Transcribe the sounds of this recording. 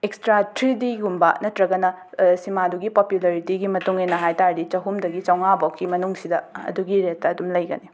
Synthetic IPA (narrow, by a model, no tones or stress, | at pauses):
ekstɾatɾidiɡumbɐ̰nɐtɾɐɡɐnɐ | simaduɡipopjulɐɾitiɡimɐtuŋenɐɦajtaɾdit͡ʃɐɦumdɐɡit͡ʃɐwŋabowkːimɐnuŋsidɐɐ̰duɡiɾet̚tɐɐdumlɐjɡɐ̰ni